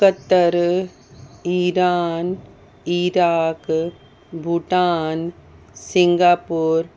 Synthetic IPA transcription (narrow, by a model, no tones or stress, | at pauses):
kɐt̪ːɐɾ | iɾaːn | iɾaːk | bʱuʈaːn | siŋɡaːpuːɾ